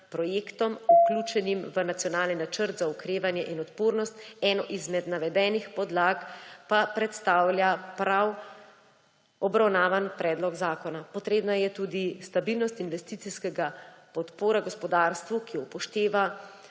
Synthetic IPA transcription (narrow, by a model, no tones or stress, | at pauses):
pɾɔjeːkt̪ɔmuklʲuːt͡ʃɛnimʋənat̪sjɔnaːlninat͡ʃəɾt̪zaukɾeːʋanjɛʔinɔt̪poːɾnɔst̪ɛːnɔʔizmɛd̪naʋɛd̪ɛːnixpɔd̪laːkpapɾɛt̪st̪aːwlʲjapɾaw | ɔbɾawnaːʋanpɾɛːd̪lɔɡzaːkɔnapɔt̪ɾeːbnajɛt̪uːd̪ist̪abilnɔst̪inʋɛst̪it̪siskɛɡapɔt̪poːɾaɡɔspɔd̪aːɾst̪ʋukiɔpɔʃt̪eːʋa